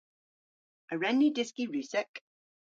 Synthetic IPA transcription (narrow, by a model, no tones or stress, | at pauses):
əɹɛnːidɪskiɹʉˑsɛk